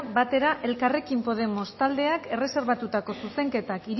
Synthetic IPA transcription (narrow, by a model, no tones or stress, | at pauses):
bat̪e̞ɾaʔe̞lkare̞kimpo̞ð̞e̞mo̞st̪ald̪e̞ake̞re̞se̞ɾβ̞at̪ut̪ako̞suse̞ŋke̞t̪akiɾ